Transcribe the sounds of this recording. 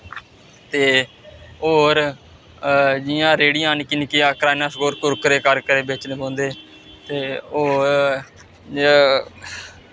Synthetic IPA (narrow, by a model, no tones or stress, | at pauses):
t̪eː | oːɾ | d͡ʒɪjãːɾeːɽijãːnːkɪnikɪjãːkɾaːnaːskoːɾkʊɾkəɾeːkəɾkəɾeːbeːt͡ʃneːbõːnd̪eː | t̪eːoː